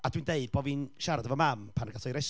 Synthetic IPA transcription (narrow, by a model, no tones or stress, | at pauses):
ad̥windeɨd̚boːviːnʃaɾadəvɔmampʰanɡasɔjɾɛʃ